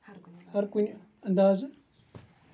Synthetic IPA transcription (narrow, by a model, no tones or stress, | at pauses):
hɐɾkunʲ | ɐnd̪aːz